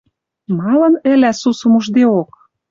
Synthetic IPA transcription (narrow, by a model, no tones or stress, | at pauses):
mɑlɤ̆nɘ̆læsusə̆muʒd̪eok